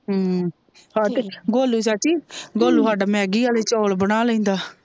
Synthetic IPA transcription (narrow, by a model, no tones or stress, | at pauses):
ɦ | ɦaːt̪eːɡoːluːsaːt͡ʃiːɡoːluːsaːɖaːmɛːɡiːaːleːt͡ʃɔːlbənaːləĩːnd̪aː